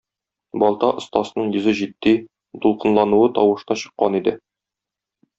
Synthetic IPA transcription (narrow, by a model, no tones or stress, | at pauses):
bɒlˠt̪ɑʔŏst̪ɑsnɤɴjɵ̆zɘʑit̪ːi | t̪ulˠqɤ̆nlˠɑnuwɤt̪ɒwɤ̆ʃt̪ɑɕɤ̥̆qːɑnid̪ɘ